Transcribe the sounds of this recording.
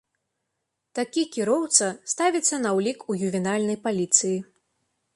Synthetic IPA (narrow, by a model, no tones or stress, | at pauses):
t̪akʲikʲiɾɔwt̪sɐst̪avʲit̪sːɐnɐwlʲikujuvʲɛnalʲnɐjpalʲit̪sɨji